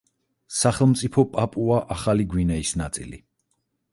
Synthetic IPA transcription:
saχɛlˠmt̪sʼipʰɔpʼapʼuaʔaχaliɡwinɛisnat̪sʼḭlḭ

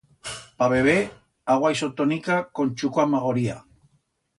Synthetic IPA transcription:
paβeβ̞e | aɣwaisot̪onikakont͡ʃukoamaɣ̞oɾia̰

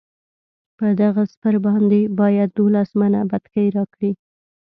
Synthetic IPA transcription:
pəd̪aɣaspəɾbɑnd̪ebɑjad̪̚ːolasmanabat̪kəjɾɑkɽi

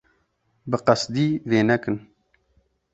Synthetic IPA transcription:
bɨqɑsd̪iːveːnɛkɨn

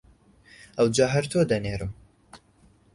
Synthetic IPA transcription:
ʔɐwd͡ʒɑːɦɐɾt̪ʰoːd̪ɐneːɾɨm

